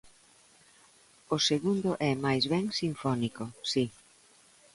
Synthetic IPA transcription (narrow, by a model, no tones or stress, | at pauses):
ʊseɣund̪ʊʔɛmajzβɛŋsiɱfɔnikosi